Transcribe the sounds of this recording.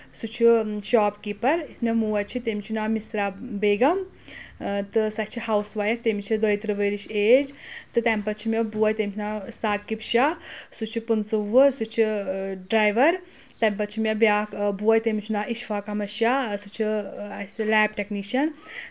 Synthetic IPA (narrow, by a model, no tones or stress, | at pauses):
sut͡ʃʰuʃaːpkipɐɾismʲemuːɐt͡ʃʰit̪emʲit͡ʃʰunaːmisɾabeːɡɐm | t̪ɨsɐt͡ʃʰihaːwsʋaːjɐkt̪emit͡ʃʰid̪əjt̪ɾɨʋəːɾiʃeːd͡ʒt̪ɨt̪ɐmpɐt͡ʃʰimʲebuɐjt̪emʲit͡ʃʰunaːsaːɡkipʃasut͡ʃʰupunsɨʋəɾsut͡ʃʰiɖɾaːjʋɐɾ | t̪ɐmʲpɐt͡ʃʰimʲebʲjaːkbuɐjt̪emʲit͡ʃʰunaːʔiʃfʰaːkɐmɐʃjasut͡ʃʰiɐslɛːbʈɛkniːʃɐn